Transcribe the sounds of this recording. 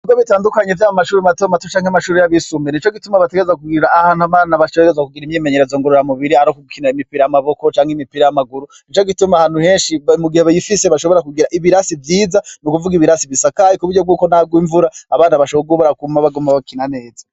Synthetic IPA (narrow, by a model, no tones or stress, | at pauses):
ubɡoβitaːndukaɲevjaːjomaʃuːɾimatomatot͡ʃaːŋamaʃuːɾejaβisuːmenit͡ʃo̞ɡitumaβateɡeezakuɡiɾaahaːnuaβaːnaβaʃoeɡezakuɡiɾimɲeːmeɲeɾezoŋɡoɾoɾamuβiɾiaɾokuɡukinaimipiɾajamaβo̞ko̞t͡ʃaːŋhimipiɾajamaɡuɾu | nit͡ʃoɡitumahaːn̥uhe̞ːnʃimuɡihe̞βajifiseβaʃoβo̞ɾakuɡiɾaʔiβiɾasivjiːzanukuvuɡiβiɾasivisakajikuβuɾɟo̞b̚ɡuːko̞naɡwiɱvuɾaaβaːnaβaʃoβɡuβaɾakumaβaɡumaβaukinane̞ːza